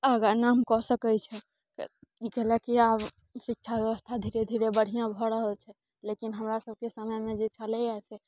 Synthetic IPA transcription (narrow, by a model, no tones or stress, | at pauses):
əɡanamkɔsəkɛt͡ʃʰɛ | kikɛlɛkiab | sik̚t͡ʃʰabjəbəst̪ʰad̪ʱiɾed̪ʱiɾebəɽ̤ijãbʱɔɾəɦəlt͡ʃʰɛ | lekinɦəmɾasəb̚ʱkesəməjmed͡ʒet͡ʃəlɛajsɛ